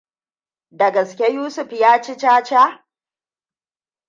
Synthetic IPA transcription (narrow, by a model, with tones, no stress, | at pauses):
dɐ˨ɡɐ˨skʲe˦juː˦sʊ˨ɸjaː˦t͡ʃɪ˦t͡ʃaː˦t͡ʃa˦